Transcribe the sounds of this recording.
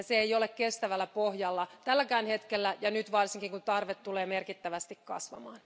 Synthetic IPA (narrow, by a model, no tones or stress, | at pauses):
seeijolekkest̪æʋælːæpohjɑlːɑt̪ælːækæːnhet̪kelːæjɑnyt̪ʋɑrsiŋkiŋkunt̪ɑrʋet̪tːuleːmerkit̪ːæʋæst̪ikkɑ̰sʋɑ̰mɑ̰ːn